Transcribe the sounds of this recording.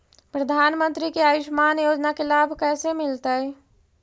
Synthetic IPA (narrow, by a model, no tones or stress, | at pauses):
pɾəd̪ʱaːnmə̃nt̪ɾikeaːʋɪʃmaːnjoːd͡ʒnakelaːbʱkɛːsemɪlt̪əɛ